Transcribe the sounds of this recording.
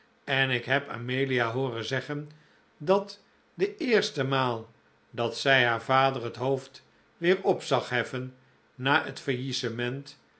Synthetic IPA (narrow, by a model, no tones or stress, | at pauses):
ɛnɪkɦɛpa̰mejliaɦoːrənzɛχən | dɑt | dəɪːɹstəmaːlˠ | dɑtsɛjɦaːɹvaːdərətɦowft | ʋɪːɹɔpsɑχɦɛfənː | aːə̰tfəɹjisəmɛnt